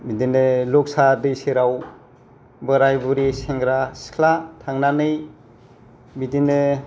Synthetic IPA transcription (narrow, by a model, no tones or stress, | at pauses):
bidinɯlɔk̚sadɯjseɾaw | bɯɾajbuɾiseŋɡɾasi̥kʰlatʰaŋnanɯj | bidinɯ